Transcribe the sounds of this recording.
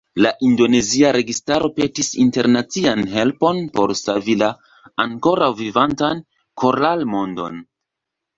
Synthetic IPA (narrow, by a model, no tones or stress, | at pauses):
laʔindo̞ne̞ziaɾe̞ɡistaɾo̞pe̞tisḭnte̞ɾnat͡sianɦe̞lpo̞npo̞̰ɾsavilaː | ŋko̞ɾawvivantan | kʰo̞ɾalmo̞ndo̞̰n